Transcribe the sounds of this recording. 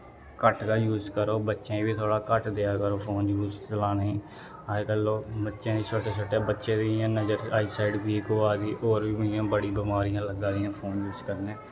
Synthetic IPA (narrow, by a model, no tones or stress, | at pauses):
kəʈkaːjuːzkəɾoːbətːʃẽːbiːt̪ʰoːɽaːkəʈd̪eːaːkəɾoːpʰoːnjuːzt͡ʃəlaːneːĩː | əkəlːoːbətːʃẽːiːt͡ʃʰoːʈeːt͡ʃʰoːʈːjaːbətːʃẽːd̪iãːnəd͡ʒəɾaːisaːɪɖpiːkoːaːd̪iːʔoːɾʋiːmijãːbəɽiːbəmaːɾɪjãːləɡãːd̪ɪjãːpʰoːnjuːzkəɾnẽː